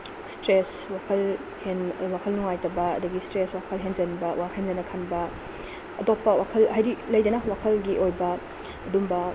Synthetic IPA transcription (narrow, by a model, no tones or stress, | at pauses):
stɾeswakʰɐl | henwakʰɐlnuŋajtɐbɐɐ̰dɐɡistɾeswakʰɐlɦend͡ʒɐnbɐwakʰenzɐnɐkʰanbɐ | ɐdopːɐwakʰɐlɦajɾilɐjdɐnɐwakʰɐlɡiʔojbɐː | ɐdumbɐ